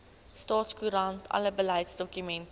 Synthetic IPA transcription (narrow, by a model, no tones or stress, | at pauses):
stɑːtskuɾɐntʰɐ̰ləbəlɛjtsdɔkymɛnt